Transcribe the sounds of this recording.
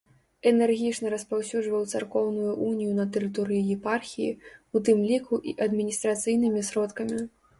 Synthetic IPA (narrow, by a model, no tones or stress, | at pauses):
ɛnɛrɣʲit͡ʂnɐɾɐspawsʲud͡ʐvɐwt̪sarkɔwnujuʔunʲijunɐt̪ɛɾɨt̪ɔɾɨjijɛparxʲijḭut̪ɨmlʲikuʔḭʔɐd̪mʲinʲist̪ɾat̪sɨjnɨmʲisɾɔt̪kɐmʲi